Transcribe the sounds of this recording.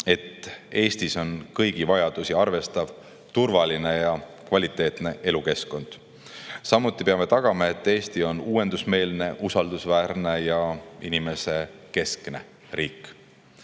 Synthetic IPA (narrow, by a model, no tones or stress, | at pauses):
e̞t̪ːe̞ːst̪iso̞nkɤjɡ̥ivɑjɑd̪̥usiɑrve̞st̪ɑv | t̪urvɑline̞jɑkvɑlʲit̪ˑːe̞ːt̪ne̞ʔe̞luke̞sko̞nd̪̥ | sɑmut̪ːˑipeɑme̞t̪ɑɡ̥ɑmɑe̞t̪ːˑe̞ːst̪io̞nuːe̞nd̪usme̞ːlne̞ʔusɑld̪̥usvæːɾne̞jɑinime̞se̞ke̞skne̞̰ | ɾʔiːkːˑ